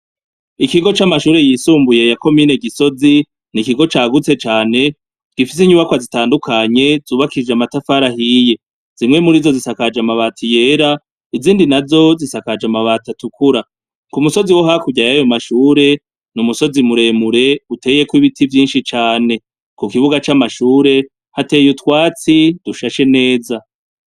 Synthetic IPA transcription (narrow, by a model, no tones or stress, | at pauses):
ikiɡo̞t͡ʃamaʃuːɾe̞jiːsuːmbuje̞jako̞miːne̞ɡiso̞zi | nikiɡo̞t͡ʃaːɡut͡se̞t͡ʃaːne̞ | ɡ̥ifis̬iɲuβakwazitaːndukʰaɲe̞zuːβakiid͡ʒamatafaɾaɦije̞ | z̥imŋe̞muɾizo̞zisakad͡ʒamaβatʰije̞ːɾa | iziːndinazo̞zisakad͡ʒamaβaːtatukuɾa | kumuso̞ziwo̞ɦakuɟajajo̞maʃuːɾe̞ | numuso̞zimuɾe̞muɾe̞utʰe̞ːje̞kwiβitivjiːnʃit͡ʃaːne̞ | kukiβuɡat͡ʃamaʃuːɾe̞ | hate̞jutwaːt͡sid̥uʃaʃe̞ne̞ːza